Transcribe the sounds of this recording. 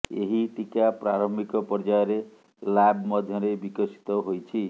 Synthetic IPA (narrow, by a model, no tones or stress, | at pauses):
eɦiʈikapraɾʌmbikɔpɔrd͡ʒajɾe | labmʌd̪ʱjʌɾebikʌsi̥t̪ɔɦojt͡ʃʰi